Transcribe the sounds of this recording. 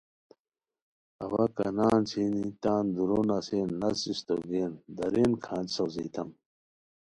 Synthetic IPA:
ɐwɐkɐ̰naːnt͡sʰiːnit̪aːnd̪uɾonɐseːnːɐsist̪oɡeːnd̪ɐɾeːnkʰãːnd͡ʑsɐziːt̪ɐm

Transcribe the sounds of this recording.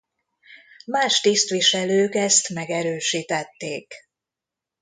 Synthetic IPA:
maːʃt̪ist̪ʋiʃɛløːkɛst̪mɛɡɛɾøːʃiːt̪ɛt̪ːeːk

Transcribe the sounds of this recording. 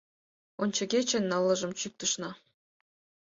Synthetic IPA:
onʲt͡ɕɤ̆ɡʲet͡ɕĕnːɤ̆lˠːɤ̆ʒɤ̆mt͡ɕyk̚t̪ɤ̆ʃnɑ

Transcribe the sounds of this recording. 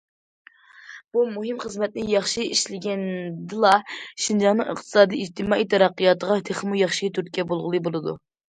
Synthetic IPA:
b̥umuɦɨmχəzmɛt̪̚nɪjɑχʃiiʃlɪɡʲɛnd̪ɨlˠɑʃind͡ʒɑnːɨŋɨ̰χt̪ʰɨ̥sɑːd̪iid͡ʒt̪ʰɨmɑːijt̪ʰɛɾɑqːɨjɑt̪əʁɑt̪ʰeχmujɑχʃit̪ʰyɾt̪̚kʲɛbolˠʁəlˠɨbolˠɨd̪ṵ

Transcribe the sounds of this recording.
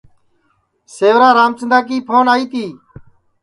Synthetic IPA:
seːʋɾaːɾaːmt͡ʃɪnd̪aːk̬iːpʰoːnaːiːt̪iː

